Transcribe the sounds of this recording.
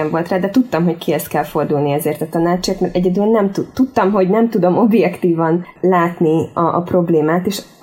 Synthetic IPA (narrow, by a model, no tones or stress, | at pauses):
ɛɱvo̞lt̪raːd̪ɛt̪ut̪ːɒmɦo̞ckiɛst̪kɛlfo̞rd̪ulniɛzeːrt̪ɒt̪ɒnaːt͡ʃːiɒk̪mɛɾɛɟɛd̪yɛnːɛmt̪ut̪ːut̪ːɒmɦo̞ɟnɛmt̪ud̪o̞mo̞bjɛkt̪iːvɒnlaːt̪niɒʔːpro̞bleːmaːt̪eːʃ